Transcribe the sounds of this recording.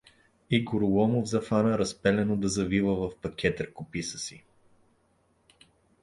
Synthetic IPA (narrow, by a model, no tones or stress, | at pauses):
iɡʊɾwɔmovzɐfanəɾɐspɛlɛnod̪ɐzɐvivəvɐfpɐkʲɛt̪əɾkʊpisə̥si